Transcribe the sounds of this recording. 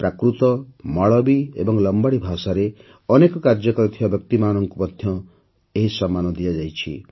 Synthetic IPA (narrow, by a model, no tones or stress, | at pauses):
pɾakɾut̪ɔmɔɭɔbiḛbɔŋlɔmbaɽibʱasaɾe | ɔnekɔkaɾd͡ʒɔkɔɾɔt̪ʰibabjɔk̚t̪imanɔŋkupɔd̪ʱjɔ | eɦisɔmːanɔd̪ijad͡ʒajt͡ʃʰḭ